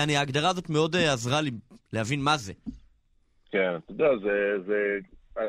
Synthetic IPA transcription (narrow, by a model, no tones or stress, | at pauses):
aniaːɡdaʁaːzo̞tmeo̞deazʁalilehavinmaze | kenat̪aod̪eazeze